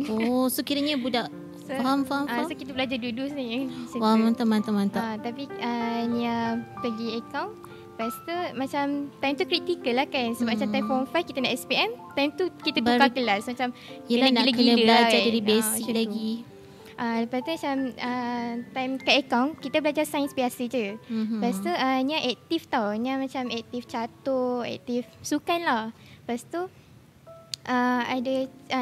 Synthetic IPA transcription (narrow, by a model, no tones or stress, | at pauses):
osokiɾaɲabudaʔ | sofaɦamfahaasokit̪abəlad͡ʒadudusniasəfaamant̪amant̪amant̪aat̪apiəniapəɡiəkawn | past̪əmat͡ʃamt̪ajmt̪ukɾit̪ikəlːahkansəbat͡ʃamajmfɔnfajfkit̪anaʔɛspiɛmt̪ajmt̪ukit̪atukakəlasmat͡ʃamaniləɡkɡidəlad͡ʒadaɾibɛsilaɡi | ʔaləpast̪umat͡ʃamət̪ajmkaəkawnkit̪abəlad͡ʒasajənsbiasəd͡ʒəpast̪uənaʔɛk̚t̪ift̪awnamãt͡ʃamɛk̚t̪ift͡ʃat̪oɛ̰k̚t̪ifsukanlah | past̪u | ʔəada